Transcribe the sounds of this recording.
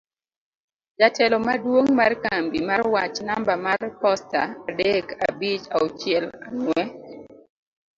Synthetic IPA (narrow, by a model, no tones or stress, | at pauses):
d͡ʒatʰɛlɔmadwoŋmarkambimarwat͡ʃnambamarpɔsta̰adɛka̰bit͡ʃaot͡ʃɪɛlaŋwɛ